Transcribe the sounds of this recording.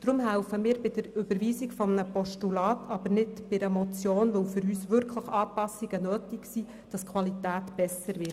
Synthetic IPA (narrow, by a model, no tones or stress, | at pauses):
d̥ɾʊmhæʊfəmiːɾbɪd̥əɾøb̥əɾʋiːsɪkfɔmnəpɔʃtulɑːtʰɑb̥əɾnɪtb̥ɪɛmɔt͡sjoːnʋowfʏɾyːsʋʏɾkʰləχɑːpɑsiɡ̥ənøːtɪksi | d̥ɑskʰʋɑlitæːtb̥ɛsəɾʋɪ